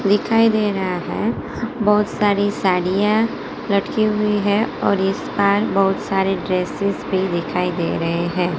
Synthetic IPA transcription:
d̪ɪkʰaːid̪eːɾɐɦaɦɛ̰̃ː | bɐɦʊt̪saːɾisaːɽijã | lɐʈkiɦʊiɦɛ̃ɔːɾɪsbaːɾbɐɦʊt̪saːɾeɖɾeːsɪzbʱid̪ɪkʰaːid̪ḛːɾɐɦeɦɛ̃ː

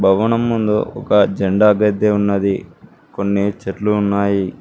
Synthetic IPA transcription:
bʱɐʋɐnɐmːund̪uɔkɐd͡ʒeɳɖaːɐɡɐd̪ʱjeunːɐd̪i | ko̞nːit͡ʃeʈluːnːaːji

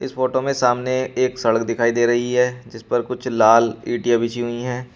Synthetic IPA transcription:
ɪsfoːʈomẽsaːmneeːksɐɽəkd̪ɪkʰaːid̪eːɾɐɦiɦɛːd͡ʒɪspɐɾkʊt͡ʃʰlaːliːʈijabɪt͡ʃiɦʊiɦɛ̃ː

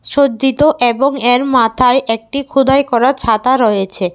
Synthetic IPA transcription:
ʃod͡ʑd͡ʑit̪oʔeboŋeɾmat̪ʰaeʔek̚ʈikʰud̪ʱaekɔɾaɾt͡ɕʰat̪aɾɔjet͡ɕʰe

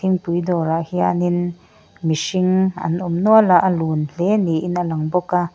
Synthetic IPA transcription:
iŋpujd̪ɔːɾahia̰nin | misiŋɐ̰nʔumnualaʔəluːnɬeniʔinalaŋbɔka

